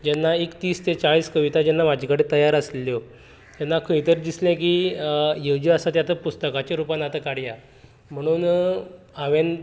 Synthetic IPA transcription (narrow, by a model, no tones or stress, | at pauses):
d͡ʑɛnːaekt̪iːst̪et͡saɭiːskəʋit̪ad͡ʑɛnːamad͡ʑʱikəɽẽt̪əjaɾəslljo | d͡ʑɛnːakʰəit̪əɾd̪islɛ̃k̬iːjewd͡ʑiəsat̪jat̪ʰəpust̪əkat͡ɕeɾupanat̪əkaɽja | m̤əɽ̃uːn | aʋẽn